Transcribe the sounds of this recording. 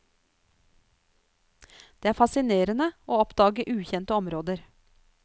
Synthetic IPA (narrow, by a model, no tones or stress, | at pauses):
d̪̥eːæːɾfɑsɪneːɾənəoːɔpd̪ɑːɡəʔʉːçɛnt̪əɔmɾoːd̪əɾ